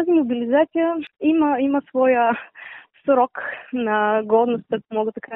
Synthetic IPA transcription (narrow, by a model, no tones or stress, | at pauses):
t̪azimʊbilizat̪sijəiməiməsvɔjə | sɾɔknɐɡɔd̪nʊst̪kumɔɡət̪ɐka